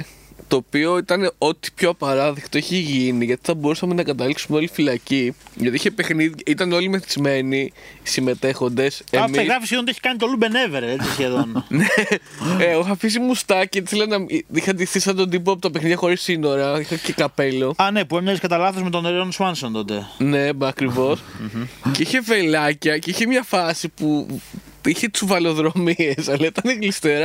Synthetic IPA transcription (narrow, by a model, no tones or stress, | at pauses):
t̪o̞ːpio̞it̪ɐneo̞t̪i̥pçoɐpɐɾɐðikt̪o̞içeʝiniʝɐt̪i̥θɐbo̞ɾusɐme̞nɐkɐt̪ɐliksumeolifilɐciʝɐt̪iiçepe̞xniðiit̪ɐno̞limeθizme̞nisime̞t̪e̞xo̞nd̪e̞semieɣɾɐfisçeðont̪ieçi̥kɐnit̪olube̞neveɾeet͡sisçeðonne | eoxɐfis̬imust̪ɐcesθelenɐixɐnd̪iθisɐt̪od̪ip̬oɐp̬ot̪ɐpexniðʝɐxo̞ɾisino̞ɾɐixɐcekɐpe̞lo̞ɐnepuemɲɐzeskɐt̪ɐlɐθozmet̪oneɾonswɐnsont̪ot̪ene̞ɐkɾivo̞s | ceiçe̞velɐcɐceiçemɲɐfɐsipu | içe̞t͡suvɐlo̞ðɾo̞miesɐlɐit̪ɐneɣlist̪eɾɐ